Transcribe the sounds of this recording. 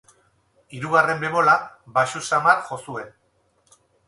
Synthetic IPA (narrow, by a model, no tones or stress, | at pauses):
iɾuɣare̞mbe̞βo̞labaʃusamarxo̞sue̞n